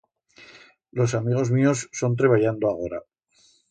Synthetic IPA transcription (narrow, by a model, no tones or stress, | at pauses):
lo̞samiɣ̞o̞zmio̞sːo̞nt̪̬ɾeβaʎand̪oaɣ̞o̞ɾa̰